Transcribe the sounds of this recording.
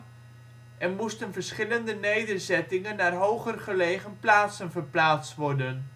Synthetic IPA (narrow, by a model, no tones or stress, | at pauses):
ʔɛnmustənvəɹsχɪləndənejdərzɛtɪŋənːaːrɦowχərχəleːχənplaːtsənvərplaːt͡stʋɔrdən